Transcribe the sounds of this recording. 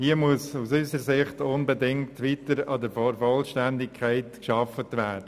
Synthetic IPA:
hiəmuəsusyzəɾsɪχtʊnbɛdɪŋtʋitəɾɑdəɾfɔɾfɔlʃtændɪkʰːæɪtkʃɑfətʋæːd̥ə

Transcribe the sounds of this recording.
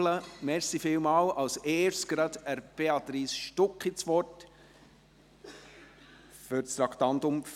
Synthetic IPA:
ləmɛɾsifɪːlmɑːlɑlseːɾstɡ̥ɾɑd̪æɾb̥eɑt̪ɾiːsʃtʊkχit͡sʋɔt | fʏɾst̪ɾɑkt̪ɑntʊm

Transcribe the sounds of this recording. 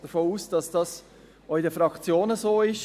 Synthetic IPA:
d̥əfoːuːsd̥ɑsd̥ɑs | oɪdəfɾɑkt͡sjoːnəsoːɪʃ

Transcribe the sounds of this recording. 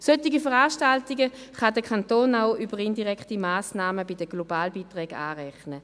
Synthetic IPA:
søtiɡifəʁaːʃtaltiɡəχadəkʰantoːnaʊʔybəʁɪndiʁɛkχtimaːsnaːməbɪdəɡlobaːlbiːtʁɛːɡa̰ːʁɛχnə

